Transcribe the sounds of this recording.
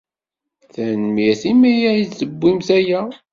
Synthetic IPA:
θænmiθimijæjizəbːimθæjæ

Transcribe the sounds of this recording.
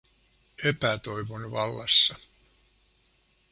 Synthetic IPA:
epæt̪o̞jʋonʋɑlːɑsːɑ

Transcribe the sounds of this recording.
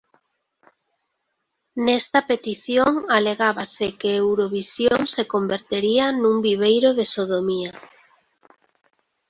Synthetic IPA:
nɛst̪apet̪iθjoŋaleɣaβasɪkeewɾoβisjoŋsekombeɾt̪eɾianũŋbiβ̞ejɾoðesoðomia

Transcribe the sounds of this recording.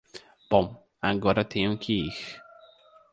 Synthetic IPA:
b̥ɔm | aŋɡɔɾat̪ʰiuŋkʰiːx

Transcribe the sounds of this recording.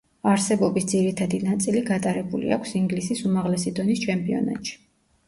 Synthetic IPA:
aɾsɛbɔbisd̪ziɾit̪ʰad̪inat̪sʼiliɡat̪ʼaɾɛbulḭakʷʰsiŋɡlisisumaʁlɛsid̪ɔnist͡ʃʰɛmpʼiɔ̰na̰t̪ʼʃi̥

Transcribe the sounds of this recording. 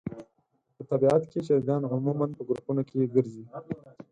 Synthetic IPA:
pət̪abiat̪keʃaɾɡɑnɦʊmumanpəɡɾupunokʰeɡəɾzi

